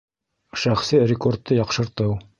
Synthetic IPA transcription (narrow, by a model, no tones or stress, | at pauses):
ʃæχsɘrʲɪkort̪ːɤjɑqʃɤ̆ɾt̪ɤw